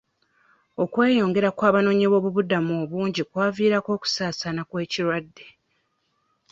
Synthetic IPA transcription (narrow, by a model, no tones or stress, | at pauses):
o̞kwe̞ːjo̞ːŋɡe̞ɾakwaːβano̞ːɲiβo̞ːβuβudamoːβuːɲɟikwaːviːɾako̞ːku̥saːsanakwe̞ːciɾwadːe̞